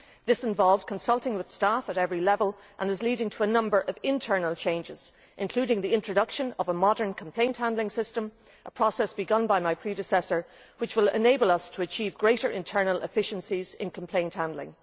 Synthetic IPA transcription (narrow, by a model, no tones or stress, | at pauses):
ðɪsɪ̃ɱvɑlˠvd̚kʰə̃nsʌlˠtɪ̃ŋwɨð̥stafəɾɛvɹilɛvəlˠ | ʔə̃nɨzliɾɪ̃ŋtʰəːnʌ̃mbə˞ʔʌvɪ̃ntʰɜ˞nəlˠt͡ʃʰẽɪ̃nd͡ʒɪz̥ | ʔɨ̃nkʰl̥ʉɾɪ̃ŋðiɪ̃nt͡ʃɹ̥ɨdʌkʃə̃nʌvəmɑɾə̃˞nkʰə̃m̩pʰl̥ẽɪ̃nt̚hãndlɪ̃ŋsɪstə̃m | ʔəpʰɹ̥ɔsɛsb̥ɨɡʌ̃nbaɪmaɪpʰɹ̥iɾɨsɛsə˞ | wɨt͡ʃwɪlɪ̰neɪbəlˠʌstʰəːt͡ʃʰiːvɡɹeɪɾə˞ʔɪ̰̃ntʰɜ˞nəlˠʔɪ̰fɪʃə̃nsizɪ̰̃nkʰə̃m̩pʰl̥ẽɪ̃nthãndˡlɪ̰̃ŋ